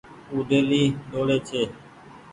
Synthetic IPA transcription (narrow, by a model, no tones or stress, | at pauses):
uːɖʱeːliːɗoːɽeːt͡ʃʰeː